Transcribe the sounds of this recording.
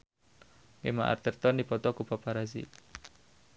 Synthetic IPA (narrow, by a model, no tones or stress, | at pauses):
ŋema̰ʔa̰rt̪ərt̪ɔndipɔt̪ɔkupapaɾazḭ